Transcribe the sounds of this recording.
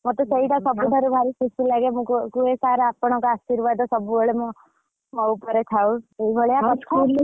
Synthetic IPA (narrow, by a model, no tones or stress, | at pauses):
mɔt̪ɔseiʈasɔbut̪ʰaɾubʱaɾisusilaɡemũkkuesaɾaapɔɽ̃ɔkɔasiɾbad̪ɔsɔbuɔɭemɔ | mɔupɔɾet̪ʰaweibʱɔɭeakɔt̪ʰa